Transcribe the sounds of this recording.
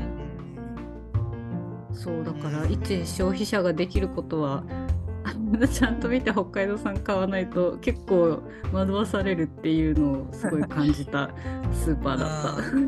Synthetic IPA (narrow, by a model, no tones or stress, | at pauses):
so̞ːd̪akaɾait͡ɕiɕo̞ːçiɕaɡad̪e̞kʲiɾɯ̟ko̞t̪o̞βa | ad̪at͡ɕãnt̪o̞mʲit̪e̞ɦo̞kːaid̪o̞sãŋkaβanait̪o̞ke̞kːo̞ː | mad̪oβasaɾe̞ɾɯ̟t̪ːe̞jɯ̟ːno̞ːsɨɡo̞ikãɲ̟d͡ʑit̪a | sɨːpaːd̪a̰t̪ːa̰